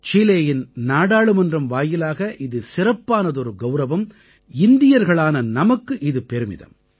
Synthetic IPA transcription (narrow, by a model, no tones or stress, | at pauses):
t͡ʃiːleːjɪnnaːɽaːɭɯmɐndrɐmʋaːjɪlaːɣɐʔɪðɯsɪrɐpːaːnɐðɔɾɯɡɐʊɾɐʋɐm | ɪnd̪ɪjɐɾɣɐɭaːnɐnɐmɐkːɯʔɪðɯpɛɾɯmɪ̰ðɐ̰m